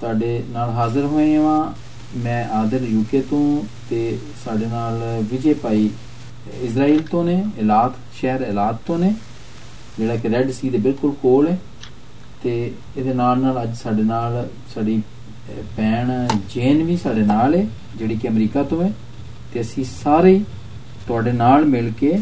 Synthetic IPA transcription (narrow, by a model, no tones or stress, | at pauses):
saːɖeːnaːlɦaːzəɾɦoːẽːãʋãː | mɛ̃ːʔaːd̪əɾjuːkeːt̪õːt̪eː | saːɖeːnaːlʋɪd͡ʒeːpaːiː | ɪsɾaːiːlt̪õːneːelaːt̪ | ʃɛːɾɛːlaːt̪t̪õːneː | d͡ʒeːɽaːkɪɾɛːɖsiːd̪eːbɪlkʊlkoːlɛː | t̪eː | ɪd̪eːnaːlnaːləd͡ʒsaːɖeːnaːl | saːɖiː | pɛːɳd͡ʒeːnʋiːsaːɖeːnaːlɛː | d͡ʒeːɽiːkɪəmɾiːkaːt̪õːɛː | t̪eːəsĩːsaːɾeiː | t̪ʊaːɖeːnaːlmɪlkeː